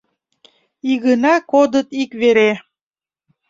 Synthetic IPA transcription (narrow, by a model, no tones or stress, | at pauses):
iɣənɑkod̪ət̪ikβeɾe